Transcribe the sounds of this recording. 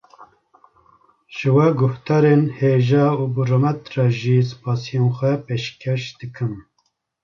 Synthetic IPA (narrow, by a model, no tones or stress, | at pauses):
ʒ̥ɨwɛɡʊht̪ɑːɾenheːʒɑːubuɾoːmɛt̪ɾɑːʒis̬ɨ̥pɑːsijenxʷɛpeːʃkʲʰɛʃd̪ɨkʰɨm